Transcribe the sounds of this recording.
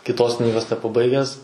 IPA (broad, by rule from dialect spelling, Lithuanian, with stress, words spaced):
kʲɪtˈoːs ˈknʲiːɡoːs nʲɛpɐˈbɐɪɡʲæːs